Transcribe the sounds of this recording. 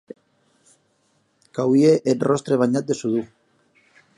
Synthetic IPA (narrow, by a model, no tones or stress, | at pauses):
kawieʔet̪rost̪ɾe̞β̞aɲat̪̚d̪esuðu